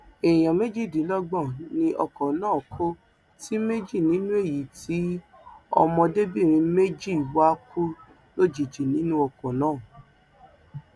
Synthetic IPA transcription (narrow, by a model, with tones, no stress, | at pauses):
e˨j̃ã˨me˦d͡ʒi˦˨dĩ˨˦lɔ˦ɡ͡bɔ̃˦˨nĩ˧ʔɔ˧kɔ˨nãː˦˨kʰo˦ | ti˦me˦d͡ʒi˦˨nĩ˨˦nũ˦e˦˨ji˨˦ti˨˦ | ɔ̰˧mɔ̃˧de˦bi˦˨ɾ̃ĩ˧me˦d͡ʒi˦˨wa˦ku˦ | lo˦d͡ʒi˨d͡ʒi˨nĩ˨˦nũ˦ɔ˧˨kɔ̃˨nãː˦˨